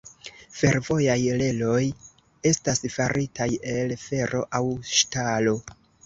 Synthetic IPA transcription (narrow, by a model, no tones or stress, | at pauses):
fe̞ɾvo̞jajle̞lo̞j | e̞stasfaɾʔitʰaje̞lfe̞ɾʔo̞̰ʔawʃtalo̞